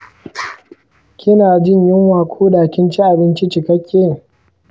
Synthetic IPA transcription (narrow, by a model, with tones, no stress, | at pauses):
kʲɪ˦naː˨d͡ʒɪ˦˨ɲjɪ˦ŋwaː˨kʷʰuː˦daː˨kʲɪ˦nt͡ʃi˦ʔa˨bɪ˦nt͡ʃi˦t͡ʃɪ˨kɐ˦kʲʰːeː˦